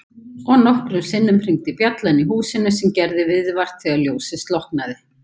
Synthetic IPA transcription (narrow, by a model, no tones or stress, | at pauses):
ɔɣnɔhkɾʏsɪnːʏmpʰɾiŋt̪ɪpjat̪lanːiɦuːsɪnʏsɛmcɛɾðɪvɪðvar̥t̪θɛɣaljoːwsɪst̪lɔhknaðɪ